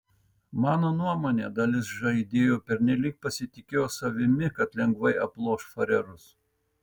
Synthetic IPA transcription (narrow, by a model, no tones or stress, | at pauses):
mɑːnoːnuɔmoːnʲeːd̪ɐlʲɪsʒɐɪd̪ʲeːjoːpʲɛɾʲnʲɛlʲiːk̚pɐsʲɪt̪ʲɪkʲeːjoːsɐʋʲɪmʲɪkɐt̪lʲɛŋɡʋɐɪɐplˠoːʃfɐɾʲɛɾʊs